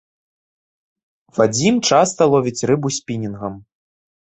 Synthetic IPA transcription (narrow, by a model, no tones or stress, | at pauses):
vad͡zʲimt͡ʂast̪ɐlˠɔvʲit͡sʲrɨbusʲpʲinʲinɣɐm